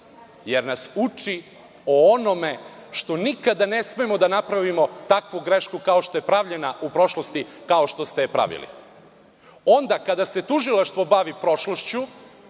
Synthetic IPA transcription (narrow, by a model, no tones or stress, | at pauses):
jeɾnasut͡ʂi | oonomeʃt̪o̞nikad̪anesmeemo̞d̪anapɾaʋimo̞t̪akʋuɡɾeʃkukaoʃt̪o̞je̞pɾaʋʎe̞naʔupɾo̞ʃlost̪ikao̞ʃt̪o̞st̪epɾa̰ʋḭlḭ | o̞nd̪akad̪aset̪uʒilˠaʃt̪ʋo̞baʋipɾo̞ʃloʃt͡ɕu